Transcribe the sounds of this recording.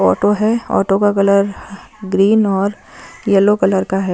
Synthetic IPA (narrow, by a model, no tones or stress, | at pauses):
ɔːʈoɦɛɔ̰ːʈokakɐləɾɡɾiːnɔːɾ | jɐlokɐləɾkaɦɛː